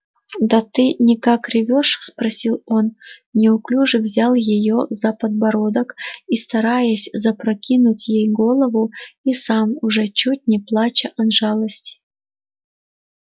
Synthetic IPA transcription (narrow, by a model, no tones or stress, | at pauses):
d̪ɐt̪ɨnʲɪkakrʲɪvʲoʂspɾɐsʲilˠo̞nnʲɪʊklʲuʐɨvzʲalˠjɪjozɐpəd̪bɐɾod̪əkist̪ɐɾajəsʲzɐpɾɐkʲinʊtʲjejɡo̞lˠəvʊisamʊʐɛt͡ɕut̚ʲnʲɪplˠat͡ɕəʔɐnʐɑlˠəsʲtʲ